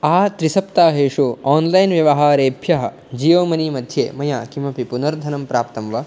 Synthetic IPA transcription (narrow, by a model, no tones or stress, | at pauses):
aːt̪ɾisɐpt̪aːɦeːʂuaːnlɐjnʋjɐʋɐɦaːɾeːbʱjɐɦɐ̆ | d͡ʒiːʋɐmɐniːmɐd̪ʱjeːmɐjaːkimɐpipunɐɾd̪ʱɐnɐmpɾaːp̚t̪ɐmʋɐ